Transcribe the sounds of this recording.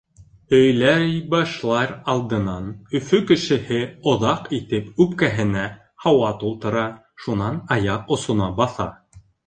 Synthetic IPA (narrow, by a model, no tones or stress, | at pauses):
ɵ̆jlæjbɑʃlˠɑɾɑlˠd̪ɤ̆nɑnɵ̆fɵkɘ̆ʃɘ̆hɘŏðɑqit̪ɘpʉpkæɦɘ̆næ | hɑwɑt̪ulˠt̪ɤ̆ɾɑ | ʃunɑnɑjɑqŏsŏnɑbɑθɑ̰